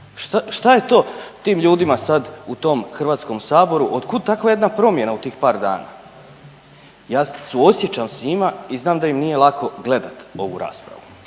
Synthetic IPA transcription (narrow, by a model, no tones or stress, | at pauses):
ʃt̪aʃt̪aje̞t̪o̞ːt̪iːmʎuːd̪imasad̪ut̪o̞mxr̩ʋaːt̪sko̞msaːbo̞ɾuʔod̪kud̪̚t̪akʋaje̞d̪napɾo̞mje̞naut̪iːxpaːɾd̪a̰ːna̰ː | jaːsuosje̞t͡ɕamsɲimaiznaːmd̪ajimnije̞lˠakʰo̞ɡle̞d̪at̪o̞ʋṵɾa̰ːspɾa̰ʋu